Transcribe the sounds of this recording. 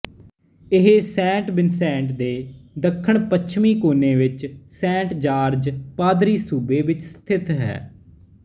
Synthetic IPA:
ɪɦesɛ̃ːʈbɪnsɛ̃ːɳʈd̪eːd̪əkʰːəɳpət͡ʃʰmĩːkoːneːʋɪt͡ʃsɛ̃ːɳʈd͡ʒaːɾd͡ʒpaːd̪ɾiːsuːbeːʋɪt͡ʃst̪ʰɪt̪ɦɛ̰ː

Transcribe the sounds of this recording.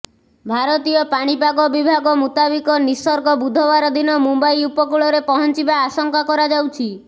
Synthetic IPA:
bʱaɾɔt̪ijɔpaɽ̃ipaɡɔbibʱaɡɔmut̪abikɔnisɔɾɡɔbud̪ʱɔβaɾɔd̪inɔmumbajupɔkuɭɔɾepɔɦɔnt͡ʃibaːsɔŋkakɔɾad͡ʒawt͡ʃʰi

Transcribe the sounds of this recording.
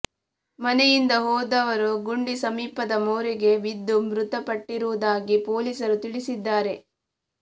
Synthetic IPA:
mɐnɛjind̪ɐɦoːd̪ɐʋɐɾuɡuɳɖisɐmiːpɐd̪ɐmoːɾiɡe̞ʋid̪ːumɾut̪ɐpɐʈːiɾuʋud̪aːɡipoːliːsɐɾut̪iɭisid̪ːaːɾe̞

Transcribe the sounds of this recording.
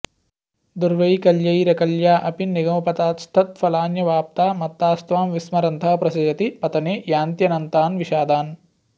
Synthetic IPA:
d̪uɾʋɐjkɐljɐjɾɐkɐljaːʔɐpiniɡɐmɐpɐt̪aːt̪st̪ʰɐt̪̚fɐlaːnjɐʋaːp̚t̪aːmɐt̪ːaːst̪ʋaːmʋismɐɾɐnt̪ʰɐɦpɾɐsɐd͡ʒɐt̪ipɐt̪ɐneːjaːnt̪jɐnɐnt̪aːnʋiʃaːd̪aːn

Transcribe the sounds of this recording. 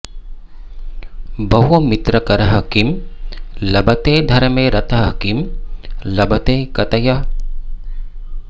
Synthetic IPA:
bɐɦuɐmit̪ɾɐkɐɾɐɦɐkim | lɐbɐt̪eːd̪ʱɐɾɐmeːɾɐt̪ɐɦkim | lɐbɐt̪eːkɐt̪ɐja

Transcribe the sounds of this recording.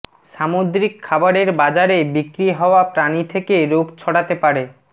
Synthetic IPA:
ʃamod̪ɾikʰːabaɾeɾbad͡ʑaɾebikɾiɦɔoapɾanit̪ʰekeɾoɡt͡ɕʰɔɽat̪epaɾe

